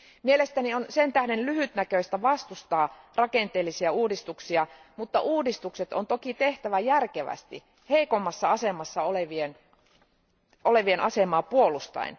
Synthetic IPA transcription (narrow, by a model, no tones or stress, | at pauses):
mielest̪ænionsent̪æhdenlyhyt̪nækøist̪æʋɑst̪ust̪ɑːrɑkent̪eːlːisiæuːdist̪uksiɑ | mut̪ːɑʔuːdist̪ukset̪ont̪okit̪eht̪æʋæjærkeʋæ̰st̪i | heikomːɑsːɑɑsemɑsːɑoleʋien | oleʋienʔɑsemɑːpuolust̪ɑ̰ḭn